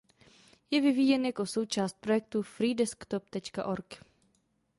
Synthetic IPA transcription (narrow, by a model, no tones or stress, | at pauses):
jɛvɪviːjɛnjakoso̞wt͡ʃaːst̪̚pɾo̞jɛk̚t̪ufɾiːdɛskt̪opt̪ɛt͡ʃka̰ʔo̞ɾk